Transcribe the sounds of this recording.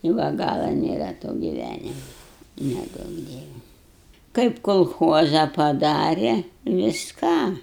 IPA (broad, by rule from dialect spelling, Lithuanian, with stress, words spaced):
ɪ ˈʋɐ ˈɡɑːlˠɐ nʲeːˈrɐ toː ɡʲɪˈʋʲænʲɪmɐ nʲɛˈduɔk ˈdʲiɛʋʲɛ kɐɪp koːlˠˈxuɔzɐ pɐˈdɑːrʲɛ ʋʲɪsˈkɑː